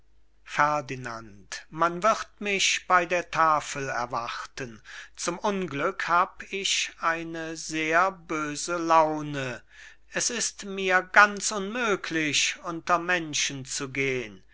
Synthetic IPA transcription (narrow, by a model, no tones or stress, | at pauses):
fɛɐdina̰ntmanvɪʁtmɪçb̥aɪdeːɐtʰaːfəlɛ̰ɐvaʁtənt͡sʊmʔʊnɡlʏkhaːbɪçʔaɪnəzeːɐbøːzəlaʊnə | ʔɛsɪstmiːɐɡant͡sʔʊnmøːkʰlɪçʔʊntɐmɛnʃənt͡suɡeːən